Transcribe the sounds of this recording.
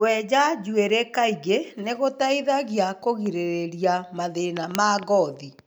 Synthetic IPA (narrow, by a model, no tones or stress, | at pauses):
wɛd͡ʒad͡ʒueɾekaiɣeneɣotaiðaɣjakoɣiɾeɾeɾiamaðenamaɣɔði